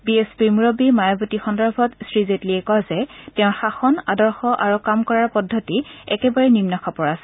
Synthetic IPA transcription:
biespimuɹobimajɔbutixɔndɔɹbʱɔtsɹizetliɛkɔzɛtɛʊ̃nxaxɔnadɔɹxɔʔaɹukamkɔɹaɹpɔdʱːɔtiɛkɛbaɹɛnimnɔkʰapɔɹasɛ̥

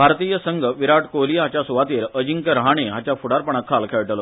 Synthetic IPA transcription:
bʱaɾt̪ijəsəŋɡʱəʋiɾaʈkoliɦat͡ɕjasuʋat̪eɾəd͡ʑiŋkəɾəɦaɽ̃iɦat͡ɕjafuɽaɾpəɳakʰːalkʰeɭʈlo

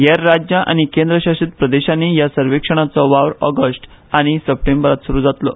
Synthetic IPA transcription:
jaɾːad͡ʑjaʔa̰ñikend̪ɾəɕaʂit̪̚pɾəd̪eɕanːijasəɾʋekʂəɳ̃at͡sɔʋaʋɾɔɡəsʈ | aɽ̃isəp̚ʈembəɾat̪suɾuːd͡zat̪lɔ̰

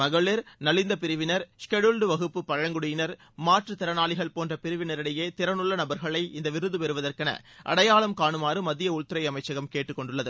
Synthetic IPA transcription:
ɐɣɐɭɪɾnɐlɪnd̪ɐp̬ɪɾɯʋɪnɐɾskɛɽɯlɖɯʋɐɣɯpːɯpːɐɻɐŋɡɯɽʊjɪnɐɾ | maːʈrɯt̪ɪɾɐnaːɭɪɣɐɭpoːndrɐpɪɾɯʋɪnɐɾɪɽɐjeːt̪ɪɾɐnɯɭːɐnɐbɐɾɣɐɭɐɪʔɪnd̪ɐʋɪɾɯðɯpɛɾɯʋɐðɐrkɐnɐ̰ | ʔɐ̰ɽɐjaːɭɐmkaːɳɯmaːrɯmɐðɪjɐʊɭt̪ːɯɾɐɪɐmɐɪt͡ʃːɐɣɐmkeːʈːɯkːɔɳɖɯɭːɐðɯ

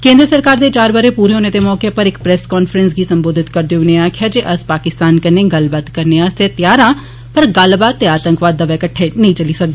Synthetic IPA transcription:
kẽːnd̪ɾəsəɾkaːɾd̪eːt͡ʃaːɾbəɾeːpuːɾeoːneːt̪eːmɔːkepəɾɪkpɾɛskɔːnfʰəɾənsɡiːsəmboːd̪ʱɪt̪kəɾd̪eʊnẽaːkʰɪjaːd͡ʒeːʔəspaːkɪst̪aːnkəneːɡəlbaːt̪kəɾneast̪et̪jaːɾãː | pəɾɡəlbaːt̪ːeaːt̪ə̃ŋkʋaːd̪ːəʋɛːkəʈʰːeːnəĩt͡ʃəliːsək̚d̪eː

